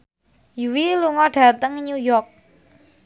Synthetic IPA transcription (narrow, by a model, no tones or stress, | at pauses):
jiwiluŋɔɖ̥ä̤t̪əŋɲujɔrk̚